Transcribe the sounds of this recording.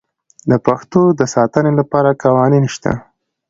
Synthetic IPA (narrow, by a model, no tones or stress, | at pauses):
d̪əpaxt̪od̪əsɑt̪ənelapɑɾakɑwɑninʃt̪a̰